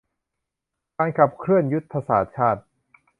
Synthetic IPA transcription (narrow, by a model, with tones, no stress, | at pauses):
kaː˧nkʰa˨˩p̚kʰɾɯ˥˩ənju˦˥t̪̚pʰa˧saː˩˥t͡ɕʰaː˥˩t̪̚